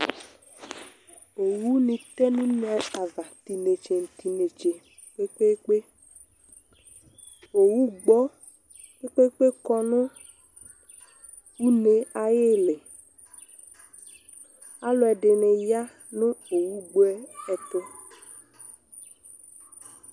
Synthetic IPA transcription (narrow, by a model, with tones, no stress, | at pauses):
o˨wu˦nĩ˨t̪ɛ˦nũ˦n˦ɛ˨a˨va˨t̪i˨ne˨t͡ʃe˨n̩˨t̪i˨ne˨t͡ʃe˨ | k͡pe˦k͡pe˦k͡pe˦ | o˨wu˦ɡ͡bɔ˦ | k͡pe˦k͡pe˦k͡pe˦kɔ˦nʊ̃˦ | wu˦ne˨a˨je˦le˨ | a˦lʊ˨˦ɛ˨ɖɪ˨ne˨ja˦ | nʊ̃˦o˨wu˦ɡ͡bo˦ɛ˦ɛ˨t̪ʊ˦